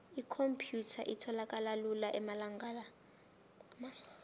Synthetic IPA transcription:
ikʰompʰjutʰa̰ʔitʰɔlakʼalalulaʔɛmalaŋɡala | ma

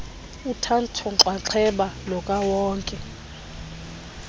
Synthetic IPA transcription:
utʰantʰɔǁwaǁʰɛɓalɔkʼawɔːŋkʼɛ

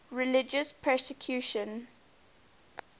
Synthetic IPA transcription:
ɹɪlɪd͡ʒəspʰɛsɪkʰjuʃə̃n

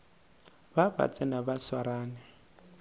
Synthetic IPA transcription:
baba̰t͡sʼɛnabaswaɾaːnɛ

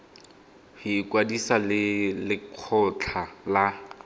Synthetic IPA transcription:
hiːkwadisalɪlɪq͡χʰɔt͡ɬʰala

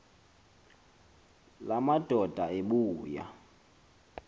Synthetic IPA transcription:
lamad̥ʱɔd̥ʱaeɓuːja̰

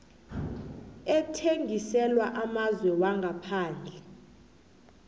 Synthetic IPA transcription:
ɛtʰeŋʱisɛlwaʔamazwɛwaŋɡʱapʰaːnd͡ɮʱɛ

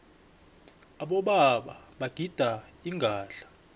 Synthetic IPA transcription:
aɓɔɓaɓaɓaɡ̥ʱid̥ʱaiŋɡʱaːɬḁ

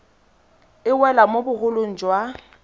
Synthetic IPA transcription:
ɪwɛlamobʊɣʊloŋ̩d͡ʒwa

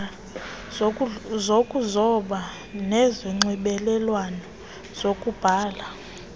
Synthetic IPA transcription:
zokʼuzɔɓa | nɛziŋ͡ǀiɓɛlɛlwanɔ | z̥okʼub̥ʱaːla

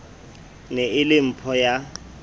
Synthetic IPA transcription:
nɛɪlɪm̩pʰɔja

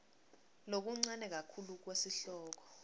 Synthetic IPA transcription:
nok̬uŋ͡ǀanɛk̬akʰuluk̬wesiɬɔːk̬ɔ̥

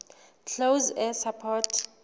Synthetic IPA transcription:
t͡ɬʰowzɛsapʰɔtʰ

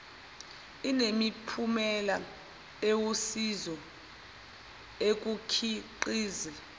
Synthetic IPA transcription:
inemipʰumɛla | ewusizɔ | ek̬ʼukʰiǃiːzɛ

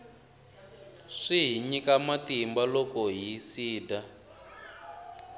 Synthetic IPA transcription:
ʂiɦiɲikamatimbalɔkɔɦisiːda

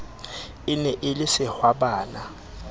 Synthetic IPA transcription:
ɪnɛʔɪlɪsɪhwabaːna

